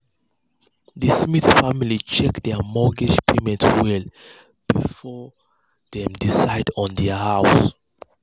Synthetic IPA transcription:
ðəsmiθfamilit͡ʃɛkdɛmɔɡiʃpʰemɛ̃ntwɛl | b̥ifɔ | ðɛ̃mdisaɪdɔ̃ndɛhaʊs

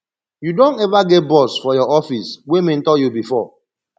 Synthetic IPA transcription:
judõntɛvaɡɛt̚bɔsfɔjɔɔfiswemẽn̩tɔjubifɔ

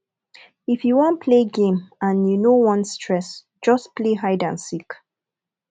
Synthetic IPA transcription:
ifjuwɔ̃npʰleɡẽmãnjunowɔ̃nstʰɹɛs | d͡ʒʌspleɦaɪdã̰nsik

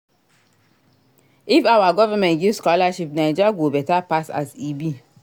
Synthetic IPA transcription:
ifawaɡɔvamɛ̃ntɡivskɔlaʃip̚nad͡ʒaɡobɛtapasa̰sibi

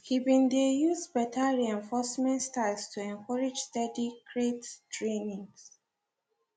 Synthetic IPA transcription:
hibĩndejuzbɛtʰaɹiɛ̃ɱfɔsmɛ̃ntstaɪlstʰuɛ̃ŋkɔɹid͡ʒstɛdikʰɹettɹẽnĩŋs

